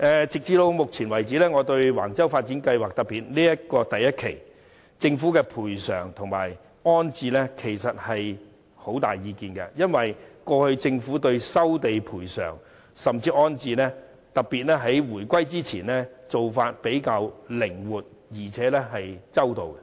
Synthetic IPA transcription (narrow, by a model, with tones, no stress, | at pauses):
ʔɛː˨t͡sɪ˨k̚t͡siː˧t̪o˧wmʊ˨k̚t͡sʰiː˨˩nwɐ˨˩jt͡siː˨˥lɛː˥ŋɔː˨˧t̪ɵ˧ɥwa̰ː˨˩ŋt͡sɐ˥wfaː˧t̚t͡siː˨˥nkɐ˧jwaː˨k̚t̪ɐ˨k̚piː˨t̚liː˥jɐ˥t̚kɔː˧t̪ɐ˨jːɐ˥t̚kʰḛ˨˩j | t͡sɪ˧ŋfuː˨˥kɛː˧pʰuː˨˩jsœː˨˩ŋt̪ʰʊ˨˩ŋmaː˨˩j | ɔː˥nt͡siː˧lɛ˥kʰe˨˩jsɐ˨t̚hɐ˨j | ho˨˥wt̪aː˨jːiː˧kiː˨˧nkɛ̰˧jɐ˥nwɐ˨jkɔː˧hɵ˧ɥt͡sɪ˧ŋfuː˨˥t̪ɵ˧ɥsɐ˥wt̪e˨jpʰuː˨˩jsœ̰ː˨˩ŋ | sɐ˨˩mt͡siː˧ɔː˥nt͡siː˧nɛː˥ | t̪ɐ˨k̚pːi˨t̚lɛː˥ɦɐ˨˥jwuː˨˩jkʷɐ˥jt͡siː˥t͡sʰiː˨˩nlɛː˥t͡so˨wfaː˧t̚pe˨˥jkaː˧wlɪ˨˩ŋwuː˨˩t̚ | jiː˨˩t͡sʰɛː˨˥lɛː˥ɦɐ˨jt͡sɐ˥wt̪o˨wkɛ˧˥